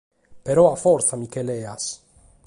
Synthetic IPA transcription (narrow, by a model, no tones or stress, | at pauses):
peɾɔafɔɾθamikeleas